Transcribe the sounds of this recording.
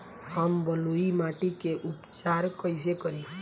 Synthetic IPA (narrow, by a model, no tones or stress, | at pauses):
həmbəluimaʈikeʔupt͡ʃaɾkəjsekəɾi